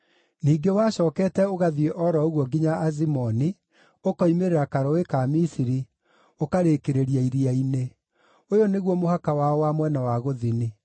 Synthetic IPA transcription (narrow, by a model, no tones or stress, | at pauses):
niːɡewaɕɔːkɛːtɛoɣaðieʔɔɾɔoɣwɔɡiɲaːzimɔni | okɔimeɾeɾakaɾɔwekamisiɾi | okaɾekeɾeɾiaiɾiaine | ojoneɣwɔmohakawaɔwamwɛnawaɣoðini